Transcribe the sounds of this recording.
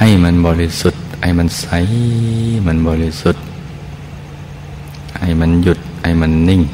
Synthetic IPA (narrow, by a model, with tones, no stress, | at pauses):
ha˧˨jma˧˥˨nbɔː˧li˧su˧˩t̪̚ha̰˧˩jma˧˥˨nsa˧˦j | ma˧˥˨nbɔː˧˨li˧su˧˩t̪̚ | ha˧˩jma˧˥˨nju˧˩t̪̚ha˧˩jma˧˥˨nːɯ˧˨ŋ